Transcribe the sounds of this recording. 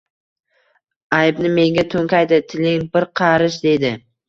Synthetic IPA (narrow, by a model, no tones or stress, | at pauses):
ajbnɪme̞ŋɡʲat̪ʰɵŋkʲajd̪ɪt̪ʰɪlɪŋbɪɾqʰɑɾɪʃd̪e̞d̪ɪ